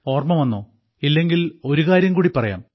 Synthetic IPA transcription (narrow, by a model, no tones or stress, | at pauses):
o̞ːrmɐmɐnːoː | ilːe̞ŋɡilo̞ɾuɣaːɾjɐmkuːɽipːɐrɐja̰ːm